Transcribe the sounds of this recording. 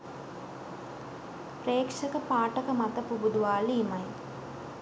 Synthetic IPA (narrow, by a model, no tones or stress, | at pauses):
preːkʂɐkəpaːʈəkəmɐt̪ɐpubud̪uʋaːliːmɐj